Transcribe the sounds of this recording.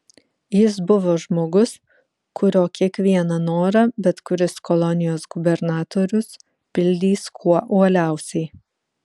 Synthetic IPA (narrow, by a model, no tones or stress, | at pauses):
jɪsbʊʋoːʒmoːɡʊs | kʊɾʲoːkʲiɛkʋʲiɛnɐnoːɾɐbʲɛt̪kʊɾʲɪskɔlˠɔnʲɪjoːsɡʊbʲɛɾnɑːt̪oːɾʲʊs | pʲɪlʲd̪ʲiːskʰuɔʔuɔlʲæˑʊsʲɛɪ